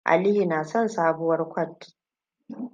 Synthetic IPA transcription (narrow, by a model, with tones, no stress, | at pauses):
ʔa̰˨lɪ˦hi˨naː˨sɔ˦˨nsaː˦bʊ˦wɐ˦rkʷɔ˦t